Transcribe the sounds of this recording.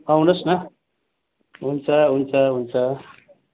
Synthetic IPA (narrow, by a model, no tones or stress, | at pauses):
awnʌsnʌ | ɦunt͡sʰʌɦunt͡sʰʌɦunt͡sʰʌ